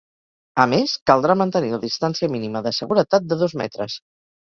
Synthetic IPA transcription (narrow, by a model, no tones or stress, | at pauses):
əmeskəlˠd̪ɾamənt̪əniləðist̪ansiəminiməðəsəɣuɾət̪at̪̚d̪əðɔzmɛ̰t̪ɾə̰s